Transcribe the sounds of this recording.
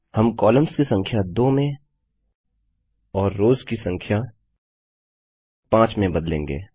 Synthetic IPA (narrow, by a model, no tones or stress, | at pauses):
hɐmkɔːləmskisɐ̃ŋkʰjad̪oːmẽ | ɔːɾːoːzkisɐ̃ŋkʰja | pãːt͡ʃmẽbɐd̪lḛ̃ːŋɡḛː